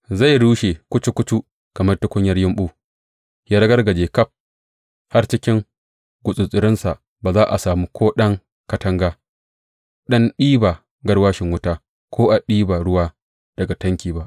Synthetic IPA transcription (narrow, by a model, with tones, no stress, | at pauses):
za˦˨jɽuː˦ʃe˨kʷʊ˦t͡ʃu˦kʷʊ˦t͡ʃu˦ | kɐ˨mɐ˦rtʊ˦kʷʊ˦ɲjɐ˦rjɪ˦mɓuː˦ | jaː˦ɾɐ˦ɡɐ˦rɡɐ˨d͡ʒeː˨kɐ˦p̚ | ha˦rt͡ʃɪ˦kʲɪ˦ŋ | ɡʷʊ˨sʼʊ˨sʼɪ˨ɾɪ˦nsa˨ʔ | baː˨zaː˦ʔa̰˨saː˨mu˦kʷʰoː˦ɗɐ˦ŋ | kɐ˦tɐ˦ŋɡaː˦ | ɗɐ˦nɗiː˦baː˨ | ɡɐ˦rwaː˦ʃɪ˨ŋwʊ˦taː˦ | kʰʷoː˦ʔa˨ɗiː˦baː˨ɽʊ˦waː˦ | d̥ɐ˨ɡa˨tɐ˦ŋkʲiː˨ba˦ʔ